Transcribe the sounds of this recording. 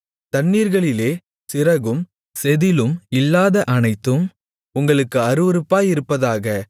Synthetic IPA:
t̪ɐɳːiːɾɣɐɭɪleː | sɪrɐɣɯm | sɛðɪlɯmɪlːaːðɐʔɐnɐɪt̪ːɯm | ʊŋɡɐɭɯkːɯɐɾɯʋɐɾɯpːaːjɪɾɯpːɐðaːɣɐ

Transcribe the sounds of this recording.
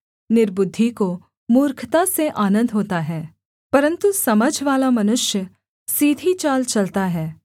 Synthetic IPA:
nɪɾbʊd̪ʱːiko | muːɾkʰt̪aseʔaːnə̃nd̪ʱɦoːt̪aɦɛː | pɐɾə̃nt̪usɐməd͡ʒʱʋaːlamɐnʊʃjə | siːd̪ʱit͡ʃaːlt͡ʃɐlt̪aɦɛː

